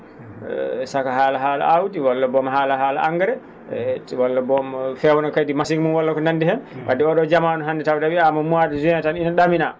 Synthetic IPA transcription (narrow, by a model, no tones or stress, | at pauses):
sakahaːlaɦaːla̰ʔawdiwɔlːabɔmhaːlahaːlaaŋɡɛɾɛ | wɔlːabɔmfɛwnakajdimasiŋmunwalːakɔnandihɛnwʔa̰dɛɔɗɔd͡ʒamanɔɦanːdɛtawdawiamamuadɛzuataninaɗamina